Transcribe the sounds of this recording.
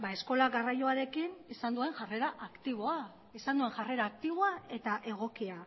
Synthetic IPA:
bae̞sko̞laɣarajo̞aɾe̞kinisand̪ue̞ŋʝare̞ɾaʔakt̪iβ̞o̞a | isand̪ue̞ŋʝare̞ɾaːk̚t̪iβ̞oae̞t̪aʔe̞ɣ̞o̞kia

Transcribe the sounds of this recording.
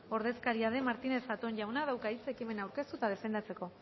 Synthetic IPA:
o̞ɾð̞e̞skaɾiaðe̞maɾt̪ine̞sat̪onʝawnaðawkait͡sekime̞nawɾke̞st̪ut̪að̞e̞fe̞nd̪at͡se̞ko̞

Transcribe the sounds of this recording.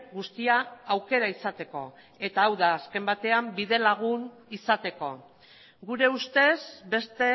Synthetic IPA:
ɡust̪iaːwke̞ɾaisat̪e̞ko̞ | e̞t̪aːwðaːske̞mbat̪e̞ambiðe̞laɣ̞un | isat̪e̞ko̞ | ɡuɾe̞ust̪e̞zbe̞st̪e̞

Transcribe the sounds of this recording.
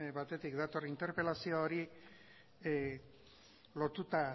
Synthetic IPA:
bat̪e̞t̪ikd̪at̪o̞rint̪e̞ɾpe̞lasiooɾi | lo̞t̪ut̪a

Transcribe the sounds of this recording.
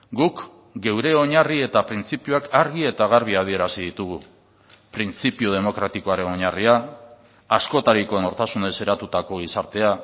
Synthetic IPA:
ɡuk | ɡe̞wɾe̞o̞ɲarie̞t̪apɾint͡sipiuakaɾɣie̞t̪aɣ̞aɾβ̞iað̞ie̞ɾasið̞it̪uɣu | pɾint͡sipiuð̞e̞mo̞kɾat̪iko̞aɾe̞no̞ɲariaː | sko̞t̪aɾiko̞no̞ɾt̪asune̞se̞ɾat̪ut̪ako̞ɣ̞isaɾt̪e̞a

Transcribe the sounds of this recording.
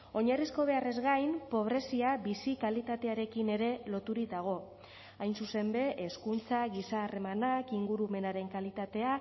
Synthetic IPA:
o̞ɲarisko̞β̞e̞are̞zɣajmpo̞β̞ɾe̞siaβisikalit̪at̪e̞aɾe̞kine̞ɾe̞lo̞t̪uɾid̪aɣ̞o̞ | ajnsuse̞mbe̞ʔːskunt͡saɣisaːre̞manakiŋɡuɾume̞naɾe̞ŋkalit̪at̪e̞a

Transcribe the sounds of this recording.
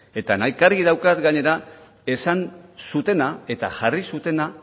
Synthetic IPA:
e̞t̪anajkaɾɣið̞awkat̪ɡaɲe̞ɾa | e̞sansut̪e̞nae̞t̪aʝarisut̪e̞na

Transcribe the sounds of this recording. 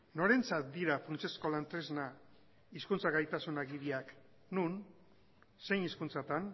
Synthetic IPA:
no̞ɾe̞nt͡sat̪̚d̪iɾafɾunt͡sesko̞lant̪ɾezna | iskunt͡saɣajt̪asunaɣiɾiak | nun | se̞jniskunt͡sat̪an

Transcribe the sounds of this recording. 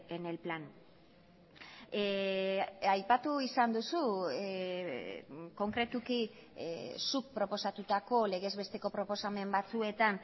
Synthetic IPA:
ene̞lplan | ajpat̪uisand̪usu | ko̞ŋkɾe̞t̪uki | suk̚pɾo̞po̞sat̪ut̪ako̞le̞ɣe̞zβe̞st̪e̞ko̞pɾo̞po̞same̞mbat͡sue̞t̪an

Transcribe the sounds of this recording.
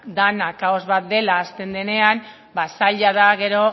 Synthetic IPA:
d̪anakaozβat̪̚d̪e̞laːst̪e̞nd̪e̞ne̞am | basaʎaðaɣe̞ɾo̞

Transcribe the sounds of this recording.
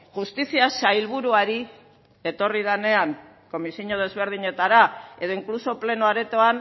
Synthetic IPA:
ʝust̪isiasajlβ̞uɾuaɾi | e̞t̪o̞rið̞ane̞aŋ | ko̞misiɲo̞ð̞e̞zβe̞ɾð̞iɲe̞t̪aɾae̞ð̞o̞iŋkluso̞ple̞noaɾet̪o̞an

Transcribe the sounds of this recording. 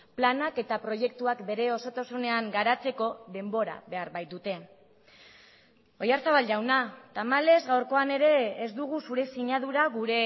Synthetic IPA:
planake̞t̪apɾo̞je̞k̚t̪uakbe̞ɾe̞o̞so̞t̪asune̞aŋɡaɾat͡se̞ko̞ðe̞mbo̞ɾa̰βe̞aɾβajt̪d̪ut̪e̞ | o̞jaɾsaβalɟawnat̪amale̞zɣawɾko̞ane̞ɾe̞ːzd̪uɣ̞usuɾe̞siɲað̞uɾaɣuɾe̞

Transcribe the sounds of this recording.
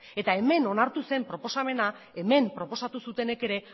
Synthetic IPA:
e̞t̪ae̞me̞no̞naɾt̪use̞mpɾo̞po̞same̞na | e̞me̞mpɾo̞po̞sat̪usut̪e̞ne̞ke̞ɾe̞

